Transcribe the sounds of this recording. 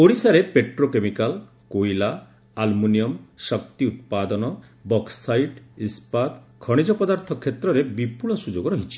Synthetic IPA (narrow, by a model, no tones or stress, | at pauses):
poɽisaɾepeʈɾokemikal | kojla | almunijɔmsɔkt̪iut̪̚pad̪ɔnɔ | bɔksajɖispad̪kʰɔɽ̃id͡ʒɔpɔd̪aɾt̪ʰɔkʰet̪ɾɔɾebipuɭɔsud͡ʒoɡɔɾɔɦit͡ʃʰi̥